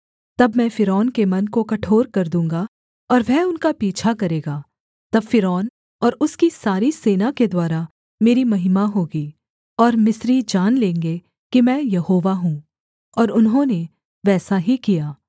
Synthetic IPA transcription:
t̪ɐbmɛ̃ːfɪɾɔːnkemɐnkokɐʈʰoːɾkɐɾd̪ũːŋɡa | ɔːɾʋɛʊnkapiːt͡ʃʰakɐɾeːɡaː | t̪ɐbfɪɾɔːn | ɔːɾʊskisaːɾiseːnaked̪waːɾa | meːɾimɐɦɪmaɦoːɡiː | ɔːɾmɪsɾid͡ʒaːnlẽːŋɡe | kimɛ̃ːjɐhoːʋaɦũː | ɔːɾʊnɦõne | ʋɛːsaɦikijaː

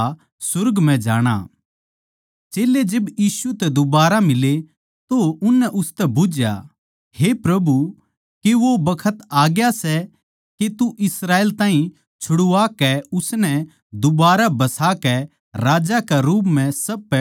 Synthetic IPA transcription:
sʊɾɡmɛ̃d͡ʒaːɽ̃a̰ | t͡ʃeːled͡ʒebjiːsut̪ɛd̪ʊbaːɾamɪle | t̪oʊnːɛʔʊst̪ɛbʊd͡ʒja̰ | hepɾɐbu | keʋobɐkʰət̪aːɡjasɛ | ket̪uʔɪsɾaːeːlt̪ãːɦĩ | t͡ʃʰʊɽʊaːkɛʊsnɛ | d̪ʊbaːɾabɐsaːkɛ | ɾaːd͡ʒakɛɾuːpmɛ̃sɐbpɛ

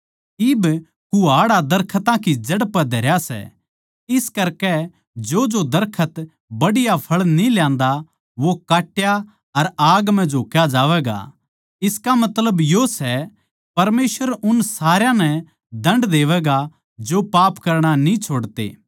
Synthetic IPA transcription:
ɪb | kʊaːɽad̪ɐɾkʰət̪ãkid͡ʒɐɽpəd̪ʱɐɾjasɛ̰ | ɪskɐɾkɛ | d͡ʒod͡ʒod̪ɐɾkʰət̪ | bɐɽɪjapʰɐɭniljãːnd̪a | ʋokaːʈja | ɐɾaːɡmɛ̃d͡ʒʱoːkjad͡ʒaːʋɛːɡa̰ | ɪskamɐt̪ləbjosɛ | pɐɾmeːsʋəɾʊnsaːɾjãnɛ | d̪ɐ̃ɳɖd̪eːʋɛːɡa | d͡ʒopaːpkɐɾɽ̃anĩt͡ʃʰoːɽt̪ḛː

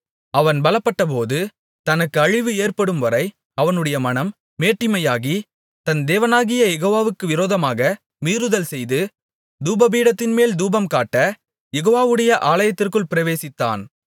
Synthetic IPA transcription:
ɐʋɐnbɐlɐpːɐʈːɐp̬oːðɯ | t̪ɐnɐkːɯɐɻɪʋɯeːrpɐɽɯmʋɐɾɐɪ | ɐʋɐnɯɽɐjɐmɐnɐmː | eːʈːɪmɐjaːɣi | t̪ɐnd̪eːʋɐnaːɣɪjɐjɛɣoːʋaːʋɯkːɯʋɪɾoːðɐmaːɣɐ | miːɾɯðɐlsɛjðɯ | d̪uːbɐbiːɽɐt̪ːɪnmeːld̪uːbɐmkaːʈːɐ | jɛɣoːʋaːʋɯɽɐjɐʔaːlɐjɐt̪ːɪrkɯɭpɪɾɐʋeːsɪt̪ːa̰ːn

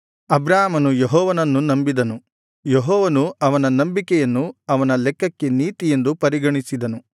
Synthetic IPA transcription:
ɐbɾaːmɐnujeɦɔːʋɐnɐnːunɐmbid̪ɐnu | jeɦɔːʋɐnuɐʋɐnɐnɐmbikɛjɐnːuɐʋɐnɐlɛkːɐkːe̞niːt̪ije̞nd̪upɐɾiɡɐɳisid̪ɐnu

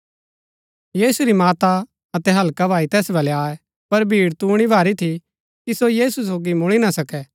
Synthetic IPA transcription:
jiːsuɾimaːt̪a | ɐt̪ɛɦɐlkabʱaːit̪ɛːsbɐlɛaːɛ | pɐɾbʱiːɽt̪uːɽ̃ibʱaːɾit̪ʰi | kisojiːsus̬oːɡimʊɭ̃inasɐkɛː

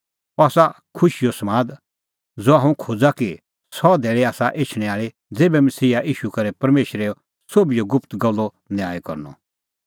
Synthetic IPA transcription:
ɔaːsa | kʰʊʃijosɐmaːd̪ | d͡zoːaɦũkʰoːd͡zaki | sɔd̪eːɭeaːsaʔeːt͡ʃʰɽ̃ɛ̃aːɭi | d͡zeːbɛmɐsiːaʔiːʃukɐɾɛpɐɾmeːʃɾeo | soːbijoɡʊpʰt̪ɡɐlːo | njaːekɐ̰ɾnɔ̰

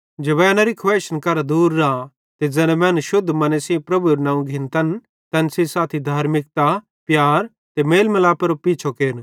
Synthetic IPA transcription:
d͡ʒebɛːnɐɾikʰwʋɛːt͡ʃənkɐɾad̪uːɾːaː | t̪ed͡zɛ̃lɛ̃mɛ̃ːnʃʊd̪ʱːmɐnesĩpɾɐbuɾnãːũɡʱɪ̃nt̪ɐn | t̪ɐnsesaːt̪ʰid̪ʱaːɾmɪk̚t̪a | pjaːɾ | t̪emeːlmɐlaːpɐɾopiːt͡ʃʰokeːɾn

